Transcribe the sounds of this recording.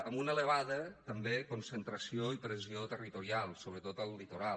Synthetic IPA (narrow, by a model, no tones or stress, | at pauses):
əmunələβ̞aðət̪əmbekunsənt̪ɾəsioipɾəziot̪ərit̪uɾialˠsoβ̞ɾət̪ot̪əlˠːit̪uɾa